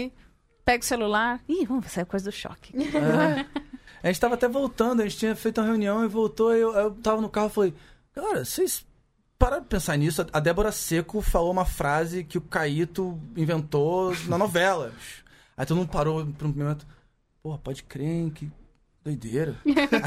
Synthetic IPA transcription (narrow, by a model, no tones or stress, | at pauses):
i | pɛɡʊselulaɾivɐ̃mvosaikojzɐd̪ʊʃɔ̰kɪ̥ | aʒẽt͡ʃɪ̥t̪avɐat̪ɛvowt̪ɐ̃nd̪ʊɐʒẽt͡ʃɪt͡ʃĩɲɐfejt̪ũmɐɦeũniɐ̃w̃ɪvowt̪oiewaewt̪avɐnʊkahʊfalej | ɡ̥alɛɾɐsejs | paɾaɾ̃pẽsaɾnisʊɐɐd̪ɛboɾɐsekʊfaloũmɐfɾazɪkɪʊkait̪ʊĩvẽnt̪onɐnovɛlɐbiʃ | ãt̪ɐ̃nɐ̃w̃paɾopɾũmemẽt̪ʊ̥ | pohɐpɔd͡ʒɪkɾẽkɪ | d̪ojd̪eɾɐ